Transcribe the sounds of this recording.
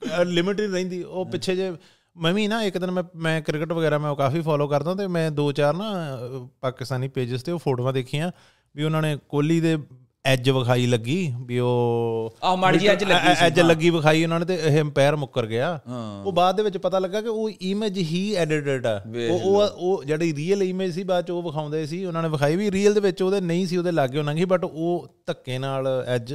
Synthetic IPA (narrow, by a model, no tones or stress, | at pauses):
lɪmɪʈɪinə̃ĩːd̪iːoːpɪtːʃʰeːd͡ʒeː | məʋĩːnãːɪkd̪ɪnmɛ̃ːmɛ̃ːkɾɪkəʈʋəɡɛːɾaːmɛ̃ːoːkaːfiːpʰaːloːkəɾd̪ãːt̪eːmɛ̃ːd̪oːt͡ʃaːɾnãːpaːkɪst̪aːniːpeːd͡ʒɪzt̪eːoːpʰoːʈoːʋãːd̪eːkʰiːjãː | biːʊnãːneːkoːliːd̪eː | ɛːd͡ʒʋəkʰaːiːləɡːiːbiːoː | ɛd͡ʒlɛːd͡ʒləɡːiːʋəkʰaːiːʊnãːneːt̪eːɪɦeəmpɛːɾmʊkːəɾɡɪjãːoːbaːd̪̚d̪eːʋɪt͡ʃpət̪aːləɡːaːkɪoːiːmeːd͡ʒɦiːɛːɖɪʈeːʈɛːoːoːd͡ʒeːɽiːɾiːəliːmeːd͡ʒsiːbaːd̪t͡ʃoːʋəkʰaːʊ̃nd̪aːeːsiːʊnãːneːʋəkʰaːiːʋiːɾiːəld̪eːʋɪt͡ʃoːd̪eːnəĩːsiːoːd̪eːlaːɡeːɦoːnãːɡiːbəʈoːt̪əkːeːnaːlɛːd͡ʒ